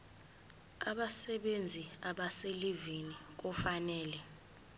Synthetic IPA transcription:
aɓasɛɓend͡zʱiaɓaselivinik̬ufanɛːlɛ

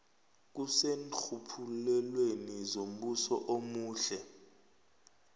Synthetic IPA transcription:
k̬usent͡ɬʰupʰulɛlwenizom̩ɓusɔ̰ʔomuːɬɛ

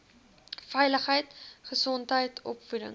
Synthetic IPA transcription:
fɛjləχəjtχəsɔntɦəjtʰɔpfudə̰ŋ

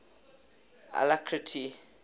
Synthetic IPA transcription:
a̰lakʰɾitʰi

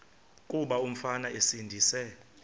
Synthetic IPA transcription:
kʼuɓaum̩fanaesindʱiːsɛ

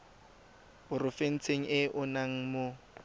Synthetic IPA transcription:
ʊrʊfen̩t͡sʰeŋ̩ʔɪʔʊnaŋ̩mʊ

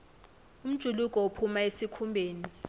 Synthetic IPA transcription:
um̩d̥ʒ̥ʱulukʼɔopʰumaesikʰumbʱeːni

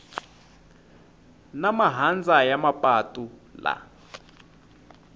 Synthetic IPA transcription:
namaɦand͡zajamapʼatʼula̰

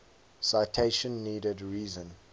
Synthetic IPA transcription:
saɪtʰeɪʃə̃nːiːdədɹiːzə̃n

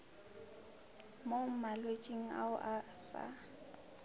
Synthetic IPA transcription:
momalwet͡ʃʼiŋ̩a̰ʊʔasa̰

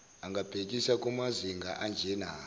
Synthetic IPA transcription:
aŋɡab̥ʱek̬ʼisakumaziŋɡaʔand͡ʒenaː

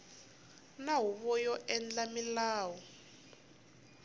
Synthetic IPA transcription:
naɦwuβɔjɔʔɛnd͡ɮamilaːwɔ

